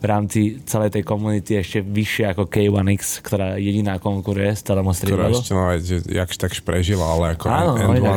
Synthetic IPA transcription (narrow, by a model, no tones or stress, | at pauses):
ʋɾaːmt͡sit͡sɛlɛjt̪ɛjkɔmunit̪iɛʃcɛʋiʃɪɛakɔkɛjʋanikskt̪ɔɾaːjɛɟinaːkɔŋkuɾujɛst͡sɛlɛːmɔst̪ɾɛɔɾɔcɛnaʋɛzʒɛja̰kʃt̪akʃpɾɛʒilaalɛakɔaːnɔɛɔ